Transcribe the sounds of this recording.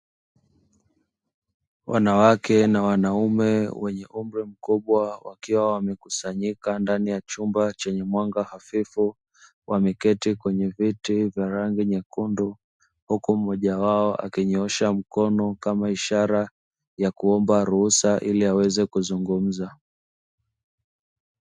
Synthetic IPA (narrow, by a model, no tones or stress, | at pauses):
wʔa̰nawakɛnawanaumɛwɛɲɛ̰ʔum̩ɾim̩kuɓwawakiwawamɛkusaɲikandanijat͡ʃumbat͡ʃɛɲɛmwaŋɡahafifu | wʔamɛkɛtikwɛɲɛvitivjaɾaŋɡiɲakundu | hukumɔʄawaɔʔa̰kiɲɔʃam̩kɔnɔkamaiʃaɾa | jakuɔmbaɾuhusaʔiliawɛzɛkuzuŋɡum̩za